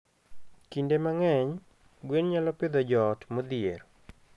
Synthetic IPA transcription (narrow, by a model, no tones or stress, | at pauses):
kindemaŋɛɲ | ɡwenɲalɔpɪd̪ɔd͡ʒɔtmɔd̪ɪeɾ